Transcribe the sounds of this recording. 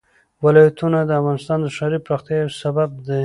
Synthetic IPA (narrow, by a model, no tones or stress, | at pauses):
wɪlɑjat̪unad̪əafɣɑnɪst̪ɑnd̪əʃɑɾipɾɑxt̪jɑjosabab̚d̪ə